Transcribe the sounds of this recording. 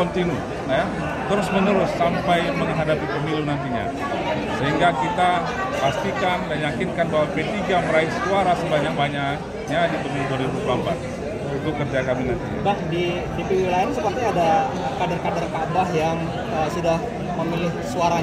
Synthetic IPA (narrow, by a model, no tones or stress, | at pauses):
ɔnt̪inu | naja | t̪əɾʊsmənəɾʊsːampajməŋɦadapipəmilunant̪iɲa̰ | səɦiŋɡakit̪a | past̪ikandanjakinkanbaɦwapet̪iɡaməɾaɪskuaɾasəbaɲak̚baɲak | ɲadipəmilubadiuɾup̚bambat̪ | it̪ukərd͡ʒakaminant̪iɲa̰bahdi | dipiwilaɪnsəpərt̪iada | kadərkadərkadahjaŋ | əsudah | məmilɪhsuaɾa